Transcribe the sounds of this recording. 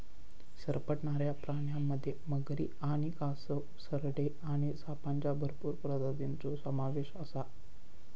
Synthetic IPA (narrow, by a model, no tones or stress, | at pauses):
səɾpəʈɳaɾjapɾaɳjamːəd̪ʱːjeməɡɾḭːaɽ̃ikasə | səɾɽe | aɽ̃isapaɲt͡ɕjabʱəɾpuːɾpɾəd̪əd̪int͡sosəmaʋeɕəsa